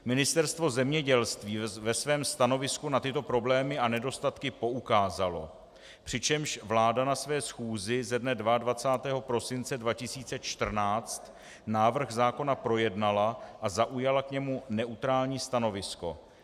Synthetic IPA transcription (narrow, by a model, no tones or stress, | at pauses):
mɪnɪst̪ɛɾst̪vo̞zɛmɲɛɟɛlst̪viːvɛsvɛːmst̪ano̞vɪskunat̪ɪt̪o̞pɾo̞blɛːmɪʔanɛdo̞st̪at̪kɪpo̞ukaːzalo̞̰ | pr̝̥ɪt͡ʃɛmʃvlaːdanasvɛːsxuːzɪzɛdnɛdvadvat͡saːt̪ɛːɦo̞pɾo̞sɪnt͡sɛdvacɪsiːt͡sɛt͡ʃt̪r̩naːt͡st̪ | naːvr̩xzaːko̞napɾo̞jɛdnalaʔazaʔujalakɲɛmunɛʔut̪ɾaːlɲiːst̪ano̞vɪsko̞̰